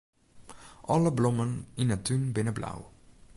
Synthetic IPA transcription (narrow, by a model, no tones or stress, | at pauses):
ʔɔləblɔməninətʰynbɪnəbla̰w